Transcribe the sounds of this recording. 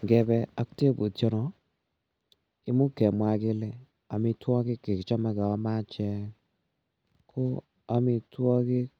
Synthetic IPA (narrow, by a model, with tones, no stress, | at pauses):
ŋɡɛ˨bɛ˧a˦kte˦bo˨tɔ˦nɔ˨ | ɪ˦mʊ˦kɛ˨mwa˨kɪ˧lɛ˨ | a˨mi˧twɔ˦kɪ˦ke˨kt͡ʃɔ˦ma˦ka˨a˦ma˦t͡ʃɛ˦ | kʰʊ˦ | a˨mi˧twɔ˦kɪ˦k̚